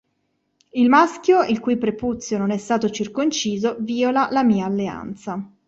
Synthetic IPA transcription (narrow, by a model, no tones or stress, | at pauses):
ilmaskjoilkujpɾeput̪sːjononɛst̪aːt̪ot͡ʃirkont͡ʃiːzoviːolalamiːaːlːea̰nt̪sa